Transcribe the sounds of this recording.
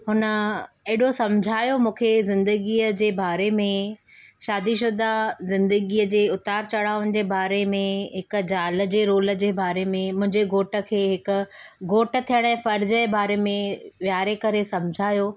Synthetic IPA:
ɦʊnə̆ | eɦɪɽosɐ̃md͡ʑʱaːjomũːkʰezɪ̃nd̪əɡiːəd͡ʑeːbaːɾemẽ | ʃaːd̪iʃ̬ʊd̪azɪ̃nd̪əɡiːəd͡ʑeːʊt̪aːɾt͡ɕɐɽaːʋʊñ̆d͡ʑeːbaːɾemẽɦɪkʊ̆d͡ʑaːlə̆d͡ʑeːɾoːlə̆d͡ʑeːbaːɾemẽmʊ̃ɦɪ̃ɲd͡ʑeɡoːʈə̆kʰeːɦɪkʊ̆ɡoːʈə̆t̪ʰijəɽ̃ɛ̃ːfɐɾd͡ʑəebaːɾemẽʋjaːɾekɐɾesɐ̃md͡ʑʱaːjoː

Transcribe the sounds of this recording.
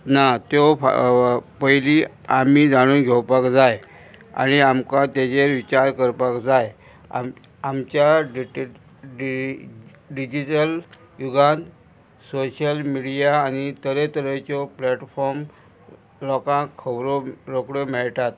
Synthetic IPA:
nat̪o̰ | pəjliː | amiːd͡zaɽ̃uːnɡʱewpakd͡zaj | a̰ɽ̃iamkat̪jad͡ʑeɾʋit͡ɕaɾkəɾpakd͡zaj̰ | amt͡ɕjaɖiʈ | ɖ | ɖid͡ʑiʈəl | juɡãnd | soɕəlmiɽijaːnit̪əɾet̪əɾet͡ɕɔplɛʈfɔɾm | lɔkãkʰəbɾoɾokɽomɛɭʈ̪at̪̚

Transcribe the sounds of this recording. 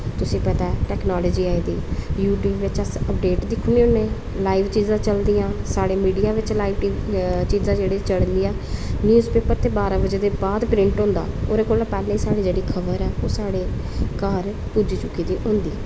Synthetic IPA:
t̪ʊsĩːpət̪aːɛʈɛːknaːlɔːd͡ʒiːaːid̪ḭːjuːʈjuːbʋɪt͡ʃəsəpɖeːʈd̪iːkʰʊniːɦʊ̃neː | laːiʋt͡ʃiːzãːt͡ʃəld̪ijãːsaːɽeːmiːɖijaːʋɪt͡ʃlaːiːʋit͡ʃiːzãːd͡ʒeːɽeːt͡ʃəɽnd̪iːaːnjuːzpeːpəɾt̪eːbaːɾãːbəd͡ʒeːd̪eːbaːd̪pɾɪ̃ɳʈɦõːnd̪a̰ːoːɾeːkoːlapɛːlɛ̃ːiːsaːɽiːd͡ʒeːɽiːkʰəbəɾɛːoːsaːɽeː | kaːɾ | pud͡ʒiːt͡ʃʊkːiːd̪iːɦʊ̃nd̪iː

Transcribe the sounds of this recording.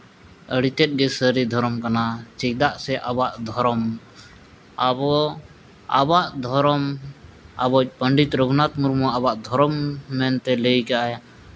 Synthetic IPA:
əɽit̪ɛt̪̚ɡɛsəɾid̪ʱɔɾɔmkanat͡ʃɛk̚d̪aʔsɛʔabaʔd̪ʱɔɾɔm | abɔ | a̰baʔd̪ʱɔɾɔm | abɔc̚ˀpəɳɖit̪ɾɔɡnat̪muɾmuʔabaʔd̪ʱɔɾɔmːɛnt̪ɛlejkaʔaj

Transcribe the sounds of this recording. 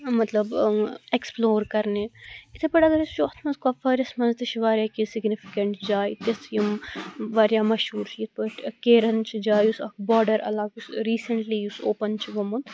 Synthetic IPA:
mɐt̪lɐbeksploːɾkɐɾneit̪ʰepɐɽɐɡɐɾist͡ʃoːt̪ʰmɐnzkɐfɐɾɐsmɐnzt̪ɨt͡ʃʰiʋaːɾjaːkisɪɡnifʰi̥kɐɳʈd͡ʒaːjt̪jɐsjimʋaːɾjaːmɐʃɦuːɾt͡ʃʰiit̪ʰpɐʈkeːɾɐnt͡ʃʰid͡ʒaːjusɐ̰kbɔːɖɐɾɐ̰laːɡusɾiːsɐɳʈlijusoːpɐnt͡ʃʰiʋɐmud̪

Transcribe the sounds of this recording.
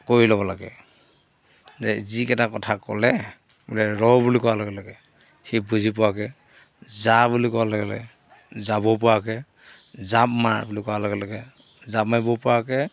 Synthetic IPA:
koɹilɔβɔlaɡɛ̰ | zɛzikɛtakɔtʰakɔ̰lɛ | bulɛɹɔwbulikɔwalɔɡɛlɔɡɛ | hibʱuzipɔakɛ | zabulikɔwalɔɡɛlɛ̰ | zabɔp̬ʊwakɛ | zap̚mabulikɔwalɔɡɛlɔɡɛ | zap̚majbɔpʊwakɛ

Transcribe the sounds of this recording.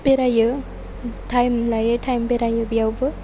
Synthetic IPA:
peɾajɯ | tʰajmlajetʰajmpeɾajɯbijawbɯ

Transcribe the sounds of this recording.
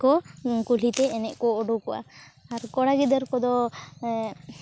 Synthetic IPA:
kɔkulit̪ɛːnɛʔkɔːɖukɔʔa̰aɾkɔɽaɡid̪əɾkɔd̪ɔ

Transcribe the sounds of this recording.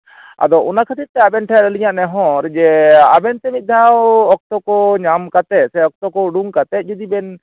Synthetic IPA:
a̰d̪ɔʔunakʰət̪it̚t̪ɛabɛnʈʰaɾəliɲaʔnɛɦɔ̃ɾɛd͡ʒɛabɛnt̪ɛmit̪̚ˀd̪ʱawɔk̚t̪ɔkɔɲamkat̪ɛt̪̚sɛɔk̚t̪ɔkɔɖuŋkat̪ɛt̪̚ˀd͡ʒud̪ibɛn

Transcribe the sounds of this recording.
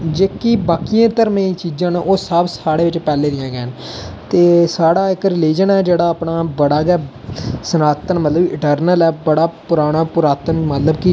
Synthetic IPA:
d͡ʒeːkibaːkijãːt̪əɾmẽːt͡ʃiːd͡ʒãːnoːsəbsaːɽeːʋɪt͡ʃpɛːleːd̪ɪjãːɡɛːnt̪eːsaːɽaːɪkɾɪliːd͡ʒənɛːd͡ʒeːɽaːaːpnaːbəɽaːɡɛː | sənaːt̪ənmət̪ləbɪʈəɾnəlɛːbəɽaːpʊɾaːɽ̃aːpʊɾaːt̪ənmət̪ləbkɪ

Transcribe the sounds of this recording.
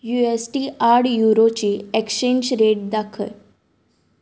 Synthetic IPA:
juesʈiːaɾɽjuɾot͡ɕiːekɕeɲd͡ʑɾeʈ̚d̪akʰə̰l

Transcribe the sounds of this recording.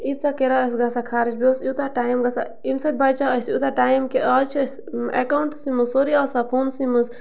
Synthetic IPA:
it̪sakeɾaəs̬ɡasakʰaːɾit͡ʃboːsjut̪aʈaːjmɡasa̰ | imsɐt̪̚bajt͡ʃaəsjut̪aʈaːjmkeʔat͡ʃʰəs | ḛkawɳʈsimɨzoɾiasapʰoːnsiməs

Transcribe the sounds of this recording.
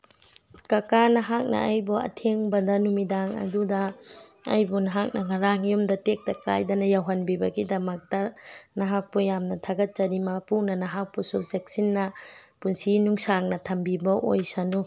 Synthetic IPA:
kɐkanɐɦak̚nɐ̰ɐjbɔɐ̰tʰeŋbɐdɐnumidaŋɐ̰dudɐ̰ː | jbunɐɦak̚nɐŋɐɾaŋjumdɐtek̚tɐkʰa̰jdɐnɐjawɦɐnbibɐɡidɐmɐk̚tɐnɐɦak̚pɔjamnɐtʰaɡɐt̚t͡ʃɐɾimɐpunɐnɐɦak̚pɔsusek̚sinːɐpunsinuŋsaŋnɐtʰɐmbibɐʔo̰jsanu

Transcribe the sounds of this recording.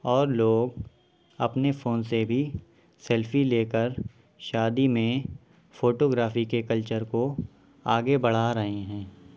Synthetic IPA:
ɔːɾloːɡ | ɐ̰pnefoːnsebʱi | sɛːlfileːkəɾ | ʃaːd̪imẽ | foːʈoːɡɾaːfikekəlt͡ʃəɾko | aːɡebɐɽ̤aɾɐɦẽɦɛ̃ː

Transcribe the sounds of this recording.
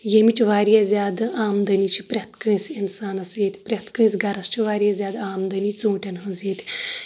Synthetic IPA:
jemit͡ʃʋaːɾjezʲjaːd̪aːmd̪ənit͡ʃʰipɾʲɐt̪kə̃jt͡sinsaːnɐsjet̪ʲpɾʲɐt̪kə̃jt͡sɡɐɾɐst͡ʃʰiʋaːɾʲjezjaːd̪aːmd̪ənit͡sũːʈʲanɦəzjet̪ʲi

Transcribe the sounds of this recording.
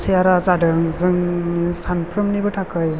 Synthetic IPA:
sʰijaɾazadɯŋzɯŋsanpʰɾɯmnibɯtʰakʰɯj

